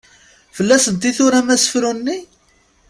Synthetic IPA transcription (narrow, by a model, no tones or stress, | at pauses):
fəlːæsənt̪iθʊɾæmæsə̥fɾunːi